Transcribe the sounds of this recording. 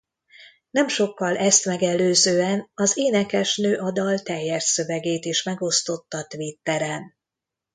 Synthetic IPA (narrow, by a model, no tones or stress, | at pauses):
nɛmʃo̞kːɒlʔɛst̪mɛɡɛlːøːzøːɛnɒzeːnɛkɛʃnøːʔɒd̪ɒlt̪ɛjːɛrsø̞vɛɡeːt̪iʃmɛɡo̞st̪o̞t̪ːɒt̪ʋit̪ːɛɾɛn